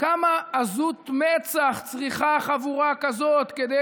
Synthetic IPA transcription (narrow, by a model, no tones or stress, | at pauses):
kamaːzut̪met͡saχt͡sʁiχaχavuʁakazot̪ked̪e